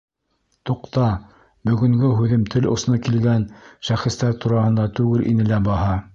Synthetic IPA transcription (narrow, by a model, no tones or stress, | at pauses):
t̪uqt̪ɑ | bɵ̆ɡɵ̆ŋɡɵɦʉðɘmt̪ʰɘlŏ̰s̆nɤkilɡænʃæχɘ̆st̪æɾt̪uɾɑhɤ̆nd̪ɑt̪ʉɡɘlʔḭnɘlæbɑɦɑ